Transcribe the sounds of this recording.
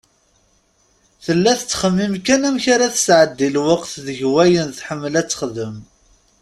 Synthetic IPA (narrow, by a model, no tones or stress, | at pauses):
θəlːæθət͡sːχəmːimkænæmçaɾaθə̥sʕəd̪ːilwəqθðəʝwæjənθħəmːlæt͡sːə̥χðəm